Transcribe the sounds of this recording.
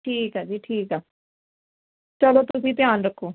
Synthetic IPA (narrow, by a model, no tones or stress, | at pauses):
ʈʰiːkɦɛːd͡ʒiːʈʰiːkɦɛː | t͡ʃəloːt̪ʊsĩːt̪ɪjaːnɾəkʰːoː